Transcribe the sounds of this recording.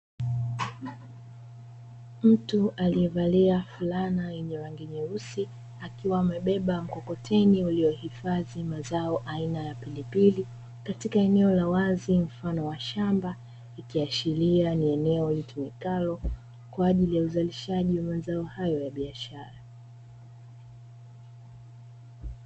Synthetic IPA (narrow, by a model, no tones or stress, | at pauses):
m̩tuʔaliɛvaliafulanajɛɲɛɾaŋɡiɲɛɾusi | akiwaːmɛɓɛɓam̩kɔkɔtʰɛniuliɔhifaðimazaɔʔainajapilipili | katikaɛnɛɔlawazim̩fanɔwaʃamba | ikiaʃilianiɛnɛɔlitumikalɔ | kwaːʄilijauzaliʃaʄiwamazaɔhajɔjaɓiaʃaɾa